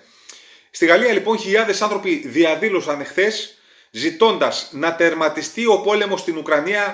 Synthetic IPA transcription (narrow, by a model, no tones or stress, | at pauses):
st̪iɣɐliɐlipo̞nçiʎɐðe̞sɐnθɾo̞piðiɐðilo̞sɐne̞xθe̞s | zit̪o̞nd̪ɐznɐt̪e̞ɾmɐt̪ist̪io̞po̞le̞most̪inukɾɐniɐ